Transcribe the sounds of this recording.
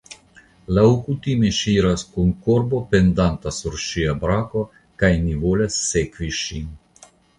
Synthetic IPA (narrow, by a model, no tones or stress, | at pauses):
lawkut̪imeʃiːɾaskoŋkoɾbopɛnd̪ant̪asɔɾʃiabɾaːkɔ | kajniʋoːlɛsːekʋiʃin